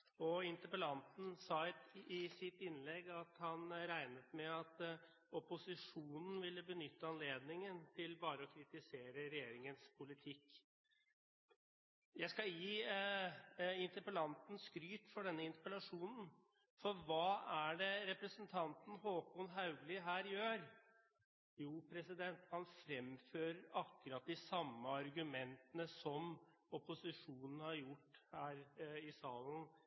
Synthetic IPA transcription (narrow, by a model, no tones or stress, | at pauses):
ɔɪnt̪əpəlɑnt̪n̩sɑɪt̪ɪsɪt̪ɪnlɛɡɑt̪hɑnɾæɪnət̪mɛɑt̪ | ɔpʊsɪʂuːnn̩ʋɪlːəbənʏt̪ːəɑnleːd̪nɪŋənt̪ʰɪlbɑːɾəɔkʰɾɪt̪ɪseːɾəɾɛjeːɾɪŋənspʰʊlɪt̪ʰɪkː | jæɪskɑjiː | ɪnt̪əɾpəlɑnt̪n̩skɾyːt̪fɔɖɛnːəɪnt̪ə̥pəlɑʂuːnn̩ | fɔɾʋɑːæɖɛɾɛpɾəsənt̪ʰɑnt̪n̩hoːkʊnɦɑʉɡlɪɦæːɾjøːɾ | juːpʰɾɛsɪd̪ɛnt̪hɑnfɾɛmføːɾəɾɑkːʉɾɑt̪̚d̪ɪsɑmːəɑɾɡʉmɛnt̪ənəsɔmɔpʊsɪʂuːnn̩hɑɾjʊʈːhæːɾɪsɑːln̩